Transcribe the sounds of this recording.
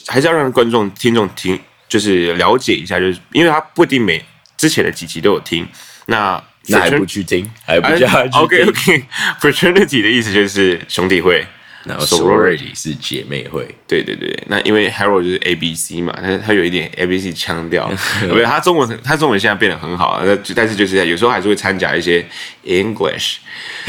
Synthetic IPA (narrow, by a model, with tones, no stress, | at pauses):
xa˧˥ʂɻɑ˥˩kwa˥˦nʈ͡ʂʊ˥˨˩ŋt̪ʰi˥ŋʈ͡ʂʊ˥˨˩ŋt̪ʰi˥ŋ | t͡ɕjo˥˧ʊʂ̬ɻ̩˥˩ljɑ˧˥ʊt͡ɕjɛ˨˩i˧˥ɕ̬ja˥˧t͡ɕjo˥˧ʊʂ̩˥˩ʔi˥nwe˥˩ɪa˥pu˥˧t̪i˥˩ŋme˨˩ɪ | ʈ͡ʂɻ̩˥t͡ɕʰjɛ˧˦nd̪ə˧t͡ɕi˨˩t͡ɕi˧˥t̪o˥ʊjo˨˩ʊt̪ʰi˦˥ŋ | na˥˩ | fa˥˨a˧˦˥u˧˩t͡ɕʰy˥˨˩t̪ʰi˥ŋa˧˦ɪpu˧o˨ʊkʰe˥˧o˨˧kʰe˥˩fə˨t̪ʰə˥ni˨t̪ʰi˨˩d̪ə˩i˥˩s̬̩˨˩t͡ɕjo˥˧ʊʂɻ̩˥˩ɕʊ˧˥ŋt̪i˨˩xwe˥˩ɪ̰ | sɔ˨˩˨ɹɔ˥˧˩ḭ˨ʂɻ̩˥˨t͡ɕjɛ̰˨˩me˥˧ɪxwe˥˩ɪt̪we˥ɪwḛ˥˧˩t̪wḛ˥˩ɪna̰˥˨ʔḭ˥nwe˥˩ɪxɛ˥ɹo˥˧t͡ɕjo˥˧ʂɻ̩˥˩ʔe˥ɪbi˥si˦mɐ̰˨˩t̪ʰa˥˩t̪ʰa˥jo˨ʊi˥˩t̪jɛ˨˩nḛ˧˥bi˦s̬i˦t͡ɕʰjɑ˦˥ŋt̪jɑ˥˩ʊ˥˩˧a˥ʈ͡ʂʊ˥ŋwə˧˦nxə˧˦t̪ʰa˥ʈ͡ʂʊ˥ŋwə˧nɕjɛ˥˧nza˥˧pjɛ˥˩nd̪ə˩xə˧˦nxɑ˨˩ʊə̰˨˩na˥˧t͡ɕt̪a˥˧nʂɻ̩˧jo˥˧ʊʂɻ̩˥˩˥jo˨˩ɻ̩˧˥o˥a˧˥ʂɻ̩˥˧we˥˩t͡sʰa˥nt͡ɕja̰˨˩i˥˩ɕ̬jɛ˦˥ | i˥ŋɡlḭ˨ʂ